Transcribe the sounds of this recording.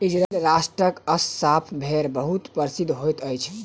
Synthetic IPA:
id͡ʒɾalɾasʈɾəkəsːapʰbʱeɾbəɦut̪pəɾsid̪ʱɦojt̪əjt͡ʃʰ

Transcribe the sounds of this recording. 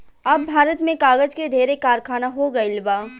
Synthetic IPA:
ɐbːʱaːɾət̪mẽkaːɡəd͡ʒkedʱeːɾekaːɾkʰaːnaɦoɡəilbaː

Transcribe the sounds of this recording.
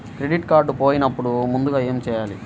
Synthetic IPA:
kɾe̞ɖiʈkaːɾɖupoːjinɐpːuɽumund̪uɡaːe̞ːmt͡ʃɛːjaːli

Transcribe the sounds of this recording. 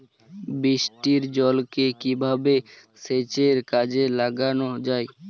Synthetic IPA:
bɾiʃʈiɾd͡ʑɔlkekibʱabe | set͡ɕeɾkad͡ʑelaɡanod͡ʑae

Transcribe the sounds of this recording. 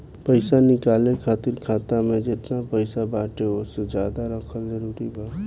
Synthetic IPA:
pəɪsanɪkaːlẽkʰaːt̪iɾkʰaːt̪amẽd͡ʒɪt̪napəɪsabaːʈeoːsed͡ʒjaːd̪aɾəkʰəlzəɾuːɾiba

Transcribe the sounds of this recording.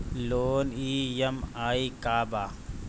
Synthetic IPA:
loːniːjɐmaːikaːbaː

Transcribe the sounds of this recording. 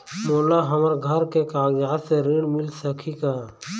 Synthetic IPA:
moːlaːɦəməɾɡʱəɾkekaːɡjaːseɾiɳmɪlsəkʰikaː

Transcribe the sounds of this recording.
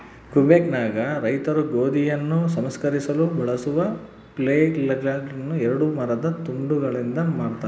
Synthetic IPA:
kubeknaːɡɐɾɐjt̪ɐɾuɡoːd̪ijɐnːusɐmskɐɾisɐlubɐɭɐsuʋɐ | pleːlːɐɡlaːɡɾɐnːuɛɾɐɽumɐɾɐd̪ɐt̪uɳɖuɡɐɭind̪ɐmaːɽt̪aː

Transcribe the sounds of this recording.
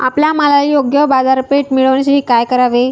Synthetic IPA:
a̰pljamalajoɡjəbad͡zaɾpeʈmiɭəʋnas̬ʈiːkajkəɾaʋe

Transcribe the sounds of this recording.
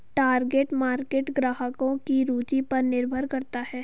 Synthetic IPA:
ʈaːɾɡeːʈmaːɾkeːʈɡɾaːɦəkõkiɾuːd͡ʒipɐɾnɪɾbʱəɾkɐɾt̪aɦɛː

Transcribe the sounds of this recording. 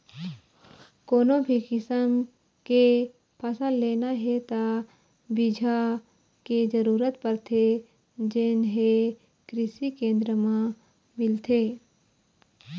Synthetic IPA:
koːnõbʱikɪsəm | ke | pʰəsəllːeːnaɦet̪a | bɪd͡ʒʱa | ked͡ʒəɾuːɾət̪pəɾt̪ʰe | d͡ʒenɦe | kɾɪsikẽːnd̪ɾəmã | mɪlt̪ʰeː

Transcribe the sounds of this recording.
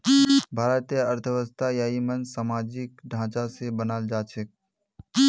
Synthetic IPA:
bʱaːɾət̪ijəəɾt̪ʰəʋəst̪ʰajaːimənsaːmaːd͡ʒɪkɖʱãːt͡ʃasebənaːld͡ʒaːt͡ʃʰək̚

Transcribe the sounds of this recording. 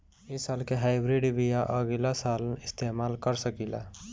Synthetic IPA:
isalkeɦajbɾiɖbijaʔəɡelasalnist̪emalkəɾsəkila̰

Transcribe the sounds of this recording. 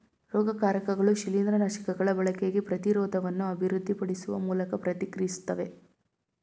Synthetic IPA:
ɾɔːɡɐkaːɾɐkɐɡɐɭuʃilind̪ɾɐnɐʃɐ̥kɐɡɐɭɐbɐɭɐkeɡepɾɐt̪iɾɔːd̪ɐʋɐnːuɐbʱiɾud̪ʱːipɐɽisuʋɐ̰muːlɐkɐpɾɐt̪ikɾisu̥t̪ːɐʋe̞

